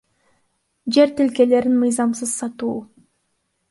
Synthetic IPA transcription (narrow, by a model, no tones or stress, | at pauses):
d͡ʒe̞ɾt̪ilke̞le̞ɾinmɯjzɑmsɯz̥sɑt̪uː